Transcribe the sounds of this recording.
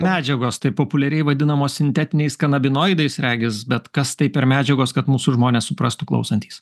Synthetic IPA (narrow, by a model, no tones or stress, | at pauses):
mʲæːd͡ʒʲɛɡoːst̪ɐɪpoːpʊlʲɛɾʲɛɪʋɐd̪ʲɪnɐmoːssʲɪnʲt̪ʲæːt̪ʲɪnʲɛɪskɐnɐbʲɪnoːjd̪ɐɪsɾʲæːɡʲɪsbʲɛt̪kɐst̪ɐɪpʲɛɾmʲæːd͡ʒʲɛɡoːskɐt̪muːsʊʒmoːnʲeːssʊpɾɐst̪ʊklˠɐ̰ʊsɐnʲt̪ʲiːs